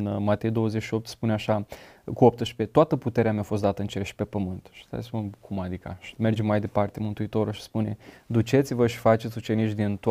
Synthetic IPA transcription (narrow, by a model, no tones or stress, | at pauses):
nmat̪e̞jd̪o̞wəze̞t͡ʃʃio̞p̚t̪spuneaʃakuop̚t̪əʃpet̪oat̪əput̪e̞ɾeameafo̞s̬t̪d̪at̪əɨnt͡ʃeɾʃi̥pe̞pəmɨnt̪ʃit̪a̰espunkʰumad̪ika̰ʃi̥me̞rd͡ʒe̞majd̪e̞part̪e̞mɨnt̪uit̪o̞ɾulʃi̥spune̞d̪ut͡ʃe̞t̪sʲivəʃi̥fat͡ʃe̞t̪sʲut͡ʃe̞nit͡ʃd̪int̪